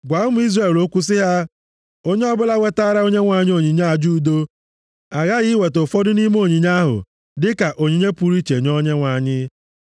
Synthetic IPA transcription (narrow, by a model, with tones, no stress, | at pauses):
ɡʷa˨˦ʊ˦mʊ˦i˦zre˨lo˦kʷu˦s̬ɪ˦ɦa˦ | o˦ɲe˦ɔ˦bʊ˦la˦we˦ta˦ɾa˦o˦ɲe˦ŋʷa˨ɲ˦o˦˨ɲi˨ɲa˦a˨d͡ʒu˦do˦ | a˨ɣa˦ɣi˦we˨to˨fɔ˦dʊ˦ni˦m˦o˦˨ɲi˨ɲa˦ɦʊ̰˨ | dɪ˦ka˨ʔo˨ɲi˨ɲe˦pu˨ɾi˦t͡ʃe˨ɲɔ˦ɲe˦ŋʷa˨ɲɪ˦